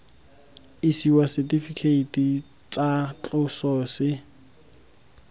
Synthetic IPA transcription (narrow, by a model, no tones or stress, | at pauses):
ɪsiwasɛtʼifikʰeiti | t͡sat͡ɬʼʊsɔːsɪ